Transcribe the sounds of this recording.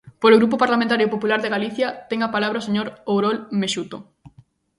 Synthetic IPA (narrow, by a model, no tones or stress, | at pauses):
poloɣɾupopaɾlamẽnt̪̬aɾjopopulaɾðeɣaliθjɐt̪ɛŋapalaβɾaoseɲoɾowɾolmeʃut̪o